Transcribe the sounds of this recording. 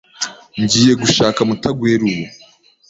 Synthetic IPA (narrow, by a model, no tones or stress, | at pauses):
ɲɟiːje̞ɡuʃaːkamutaɡweːɾuwo